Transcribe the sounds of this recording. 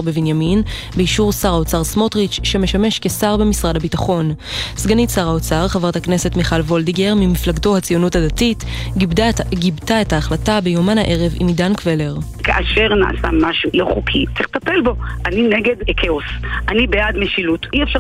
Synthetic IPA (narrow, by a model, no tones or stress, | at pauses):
ʁbevinjamin | beiʃuʁsaʁaot͡saʁsmo̞tʁit͡ʃːeme̞ʃame̞ʃke̞saʁbe̞misʁadabitaχo̞n | sɡanisaʁaot͡saʁχavʁatakne̞se̞tmiχalvo̞ldiɡeʁmimiflaɡto̞hat͡sijo̞nuthadatit | ɡibtaetaːχlatabejomana̰ʔe̞ʁe̞vḭmdankvele̞ʁ | kaʔaʃe̞ʁna̰ʔa̰sa̰maʃuloχukʰieχt̪apelbo̞ʔanineɡedekʰeosʔanibejadmeʃilutʔiefʃa